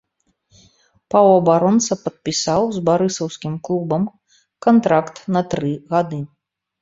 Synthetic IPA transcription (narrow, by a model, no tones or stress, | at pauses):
pɐwɐbaɾɔnt̪sɐpɐt̪̚pʲisawzbaɾɨsɐwskʲimklˠubɐm | kant̪ɾakt̪nɐt̪ɾɨɣad̪ɨ